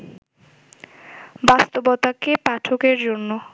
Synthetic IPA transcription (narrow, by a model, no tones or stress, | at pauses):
bast̪obot̪akepaʈʰokeɾd͡ʑonːo